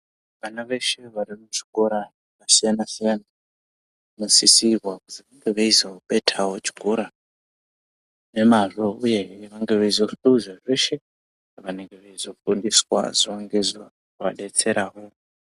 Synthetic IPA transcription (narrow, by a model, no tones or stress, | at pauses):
ʋanaʋe̞ʃe̞ʋaɾimut͡ʃi̥koɾa | ʋasijanasijana | musisiβwakutiʋaŋɡeʋeizauɓe̞tʰawo̞t͡ʃi̥koɾa | ne̞maʐo̞uje̞ʋaŋɡe̞ʋeizofuuuzaʐe̞ʃe̞ | ʋane̞ŋɡeʋeizo̞fundiswa̰ziaŋɡeza | rwaɗe̞t͡se̞ɾaɦo